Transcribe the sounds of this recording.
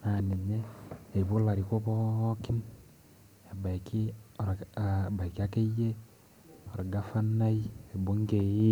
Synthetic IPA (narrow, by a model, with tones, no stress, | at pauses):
na˨ni˨ɲeː˦˨βo˦la˨ɾi˨ko˦βo˦ki˦n | e˨ba˨i˨ki˦˨ɾa˨ba˨i˨ki˦a˦ke˦je˦ | o˨ɾa˨ɡa˦fa˦na˦i˦e˨bo˦ŋke˨ji˦